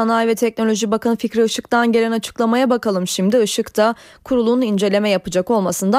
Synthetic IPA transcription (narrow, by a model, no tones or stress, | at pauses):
anajvɛt̪ʰɛc̚no̞lʲo̞ʒibakanɯficɾiɯʃɯkt̪ʰanɟe̞lʲɛnat͡ʃʰɯ̥klˠamajabakalˠɯmʃimd̪iɯʃɯkt̪ʰa | kʰuɾulˠunind͡ʒe̞lʲe̞mɛjapɯd͡ʒako̞lˠmasɯnd̪a